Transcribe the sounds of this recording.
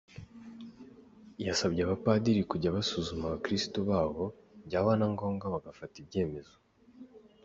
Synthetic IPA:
jasabɟeaβapadiɾikuɟaβasuzumaβakɾistoβaːβo̞ | bɟaːβanaŋɡo̞ːŋɡaβaɡafatib̚ɟe̞ːme̞zo

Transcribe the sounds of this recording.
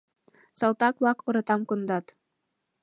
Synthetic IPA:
sɑlˠt̪ɑkbɑkuɾɤ̆t̪ɑmkund̪ɑt̪

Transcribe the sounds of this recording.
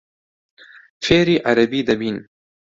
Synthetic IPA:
feːɾiːʔaɾɐbiːd̪ɐbiːn

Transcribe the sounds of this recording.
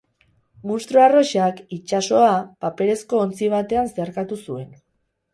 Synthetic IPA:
munst̪ɾoaro̞ʃakit͡ʃaso̞apape̞ɾe̞sko̞ːnt͡siβ̞at̪e̞anseaɾkat̪usue̞n

